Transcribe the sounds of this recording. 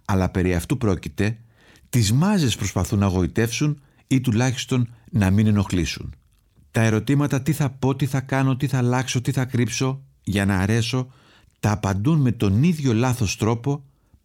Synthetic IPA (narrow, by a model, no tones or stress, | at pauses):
ɐlɐpe̞ɾiɐft̪upɾo̞cit̪e̞ | t̪izmɐze̞spɾo̞spɐθunɐɣo̞it̪e̞fsun | it̪ulɐçi̥st̪o̞nːɐmine̞no̞xlisṵn | t̪ɐe̞ɾo̞t̪imɐt̪ɐt̪iθɐpo̞t̪iθɐkɐno̞t̪iθɐlɐkso̞t̪iθɐkɾipso̞ | ʝɐnɐːɾe̞so̞ | t̪ɐːpɐnd̪unme̞t̪o̞niðʝo̞lɐθo̞st̪ɾo̞po̞